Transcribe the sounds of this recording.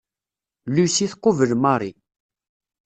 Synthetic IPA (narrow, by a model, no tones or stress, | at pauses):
lusiθqːovəlmɑɾˤi